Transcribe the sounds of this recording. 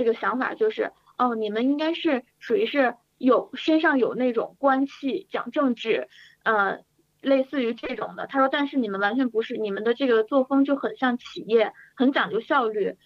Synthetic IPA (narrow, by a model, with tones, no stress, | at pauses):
ʈ͡ʂɤ˥˩ɡə˩ɕjɑ˧˥ŋfa̰˨˩t͡ɕjo˥˧ʊʂɻ̩˥˩ | ə˥˩ni˨˩mə˧˦ni˥ŋka˥ɪʂɻ̩˥˩ | ʂu˨˩i˧˥ʂɻ̩˥˩ | jo˨˩ʊʂe˥ʂɑ˥˩ŋjo˨˩ʊne˥˩ɪʈ͡ʂʊ̰˨˩ŋkwa˥nɕʰi˥˩t͡ɕjɑ̰˨˩ŋʈ͡ʂɤ˥˧ŋʈ͡ʂɻ̩˥˩ | ə˧ | le˥˧ɪsɹ̩˥˩y˧˥ʈ͡ʂɤ˥˩ʈ͡ʂʊ̰˨˩ŋd̪ə̰˦t̪ʰa˥ʂwɔ˥t̪a˥˧nʂɻ̩˥˩ni˨˩mə˦nwa˧˥nt͡ɕʰɥɛ˧˥npu˧˥ʂɻ̩˥˩ni˨˩mə˦nd̪ə˧ʈ͡ʂɤ˥˩ɡə˩t͡swɔ˥˩fɤ˥ŋt͡ɕjo˥˩ʊxə˨˩nɕjɑ˥˩ŋt͡ɕʰi˨˩jɛ˥˩xə˧˥nt͡ɕjɑ˨˩ŋt͡ɕjo˥˧ʊɕjɑ˥˧ʊly˥˩